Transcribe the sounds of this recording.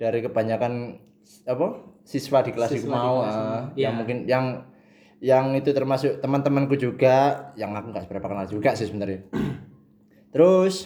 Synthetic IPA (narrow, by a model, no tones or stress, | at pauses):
d̥aɾikəb̥aɲakan | apasiswadikəlasikkumauəʔəjaŋmuŋkɪnjaŋ | jaŋit̪ut̪ərmasʊkt̪əmant̪əmənkud͡ʒuɡajaŋakuŋɡaʔspəɾapakanald͡ʒuɡaʔsɪsəbənt̪əɾa | t̪əɾʊs